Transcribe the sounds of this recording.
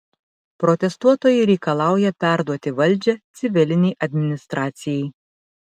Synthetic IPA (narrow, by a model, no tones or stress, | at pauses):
pɾɔt̪ʲɛst̪uɔt̪oːjɛɪɾʲɛɪkɐlˠɑˑʊjɛpʲæˑɾd̪uɔt̪ʲɪʋɐlʲˑd͡ʒʲɛt̪sʲɪʋʲɪlʲɪnʲɛɪʔɐd̪ʲmʲɪnʲɪst̪ɾɑːt̪sʲɪjɛɪ